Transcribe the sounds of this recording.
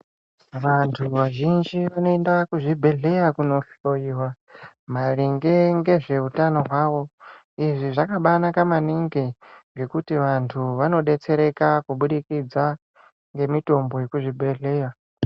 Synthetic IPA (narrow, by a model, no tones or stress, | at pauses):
ʋantʰuʋaʒind͡ʒiʋano̞endakuʐibʱe̞ɮe̞jakuno̞ɬojiwa | m̤aɾiŋɡe̞ŋɡe̞ʐe̞utano̞ɦwaːʋo̞ | iʐiʐakaɓanakamaniŋɡeŋɡe̞kutiʋantʰuʋano̞ɗe̞t͡se̞ɾe̞kakuɓuɗikid͡za | ŋɡe̞mito̞mbo̞jekuʐibʱe̞ɮeːja